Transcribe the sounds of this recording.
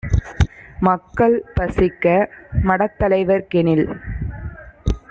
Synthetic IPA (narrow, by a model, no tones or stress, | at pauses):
mɐkːɐɭpɐsɪkːɐmɐɽɐt̪ːɐlɐɪʋɐɾkɛnɪl